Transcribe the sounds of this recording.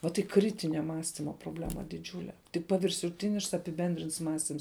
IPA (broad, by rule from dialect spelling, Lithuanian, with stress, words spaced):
ʋɐt iː ˈkrʲɪtʲɪnʲɛ ˈmɑːsʲtʲɪmɐ proːˈbʲlʲæːmɐ dʲɪˈd͡ʒʲuːlʲɛ tʲɪk pɐʋʲɪrʃʊˈtʲɪnʲɪʃks ɐpʲɪˈbʲɛnʲdʲrʲɪnts ˈmɑːsʲtʲɪms